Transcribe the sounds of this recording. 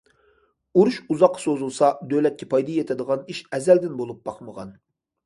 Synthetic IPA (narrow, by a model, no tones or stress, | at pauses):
uɾuʃuzɑqʰːɑ̥sozulˠsɑd̪ølɛt̪̚kʲʰɛpʰɑjd̪ɑjɛt̪ʰɪd̪əʁɑniʃɛzɛld̪ɪnbolˠup̚bɑχməʁɑ̰n